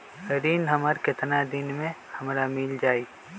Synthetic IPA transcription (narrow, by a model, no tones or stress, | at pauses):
ɾinɦəməɾkɪt̪nad̪ɪnmẽhɐmɾamɪld͡ʒaːi